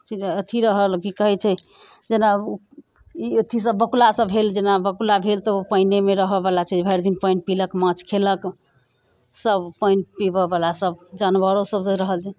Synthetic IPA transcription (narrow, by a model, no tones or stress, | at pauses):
t͡ʃiət̪ʰiɾəɦəlkikəɦɛt͡ʃʰɛ | d͡ʒena | iot̪ʰisəbːəkulasəbɦeld͡ʒenabəkulabʱelt̪ɔopəinemeɾəɦəbəlat͡ʃʰɛd͡ʒebʱəjɾd̪inpəjnpiləkmãt͡ʃkʰelək | səbpəjnpibəbəlasəb̚d͡ʒanbəɾosəbɾəɦəlt͡ʃʰɛ